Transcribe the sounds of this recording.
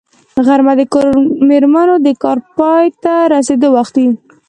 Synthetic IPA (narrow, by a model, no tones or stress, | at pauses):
ɣaɾmad̪əkɑɾmeɾmanod̪əkɑɾpɑjt̪aɾased̪owaxt̪d̪i